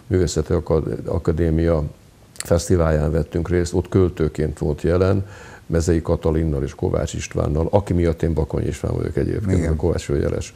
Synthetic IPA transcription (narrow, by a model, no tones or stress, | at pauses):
myːveːsɛt̪iɒ̰kɒd̪eːmijɒ | fɛst̪ivaːljaːnvɛt̪ːyŋkreːst̪o̞t̪ːkølt̪øːkeːnt̪ʋo̞nt̪jɛlɛnmɛzɛjikɒt̪ɒlinːɒleːʃko̞̰va̰ːt͡ʃiʃt̪ʋa̰ːnːɒlɒkimijɒt̪ːeːmbɒko̰ɲḭʃt̪ʋa̰ːnvɒ̰jo̰kɛɟḛːpkḛːnko̞va̰ːt͡ʃøːjɛ̰lʔɛ̰ʃ